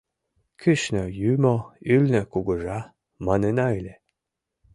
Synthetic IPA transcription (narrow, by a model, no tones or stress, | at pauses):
kʰyɕnɤjymoylʲnɘ̆kuɡɤ̆ʒɑ | mɑnenɑilʲe